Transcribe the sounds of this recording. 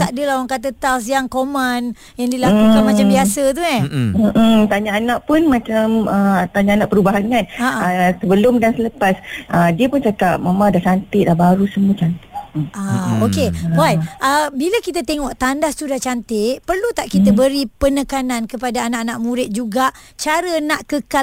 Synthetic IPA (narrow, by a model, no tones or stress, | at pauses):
t̪aʔdəlawaŋkat̪̬ət̪aws̬jaŋkomən | jaŋdilakukanmat͡ʃambiasət̪̬uɲɛm̩m̩t̪aɲaːnaʔpʊnmãt͡ʃamət̪aɲaːnaʔpəɾubaɦankanaʔaasəbəlʊmdansələpasʔədiəpʊnt͡ʃakap̚mamãdat͡ʃant̪ɪʔdahbaɾusəmuət͡ʃant̪ɪʔaokeajʔəbilakit̪at̪eŋɔʔt̪andahst̪udaht͡ʃant̪ɪʔpərlut̪aʔkit̪əbəɾipənəkanankəpadaːnaʔanaʔmũɾɪt̪̚d͡ʒuɡaʔt͡ʃaɾənaʔkəka